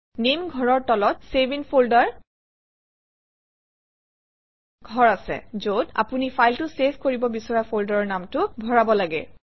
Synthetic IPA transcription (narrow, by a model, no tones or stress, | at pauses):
nemɡʱɔɹɔɹtɔlɔtsebinpʰoldaɹ | ɡʱɔɹasɛ̰zota̰punifʰajltʊseskoɹibɔbisɔɹapʰoldɔɹɔɹnamtʊbʱɔɹabɔlaɡɛ̰